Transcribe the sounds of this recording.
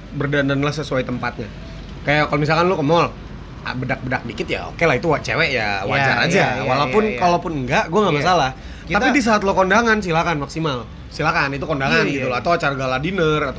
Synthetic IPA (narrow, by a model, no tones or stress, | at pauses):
bərdananlahsəsuajt̪əmpat̪̚ɲa | kajakalomis̬alkanlukəmɔl | a̰bədak̚bədak̚dikɪt̪ja̰o̰kelait̪uwaʔt͡ʃḛwɛʔja̰wa̰t͡ʃa̰ɾa̰d͡ʒaawalapʊnkalapʊnŋɡaʔɡuaŋɡaʔmas̬alah | t̪atpidis̬aat̪lokɔndaŋans̬ilakanmaksimal | silakanit̪̬ukɔndaŋanɡit̪ulɔat̪awat͡ʃarɡaladinərat̪